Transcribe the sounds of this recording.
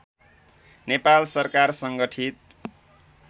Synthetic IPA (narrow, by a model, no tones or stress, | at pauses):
nepalsʌrkarsʌŋɡʌʈʰit̪̚